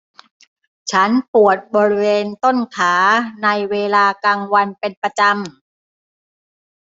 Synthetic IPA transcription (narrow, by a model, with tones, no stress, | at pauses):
t͡ɕʰa˦˥npu˨˩ət̪̚bɔː˧ɾi˦˥weː˧nt̪o˥˩nkʰaː˩˦na˧jweː˧laː˧kaː˧ŋwa˧npe˧npa˧t͡ɕa˧m